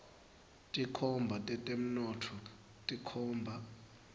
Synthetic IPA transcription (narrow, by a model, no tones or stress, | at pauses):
tʼikʰɔmbʱatʼɛtʼem̩nɔːtʰɔ | tʼikʰɔːmbʱa